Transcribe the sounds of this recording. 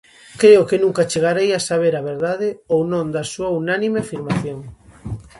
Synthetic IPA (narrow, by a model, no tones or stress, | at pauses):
kɾeʊkɪnũŋkat͡ʃeɣaɾejasaβ̞eɾaβ̞eɾðaðɪownõnd̪asuɐunanimeafiɾmaθjoŋ